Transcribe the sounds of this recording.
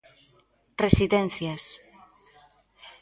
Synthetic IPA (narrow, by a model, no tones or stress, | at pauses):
resiðenθjas